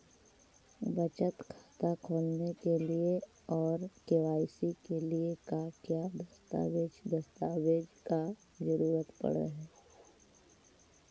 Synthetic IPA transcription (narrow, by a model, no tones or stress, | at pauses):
bət͡ʃət̪kʰḁːt̪akʰoːlnekelie | ɔːɾkeʋaːɪsikeliekakjad̪ɐst̪a̰ːʋeːd͡ʒd̪ɐst̪aːweːd͡ʒka | d͡ʒəɾuːɾət̪pɐ̰ɽḛɦɛː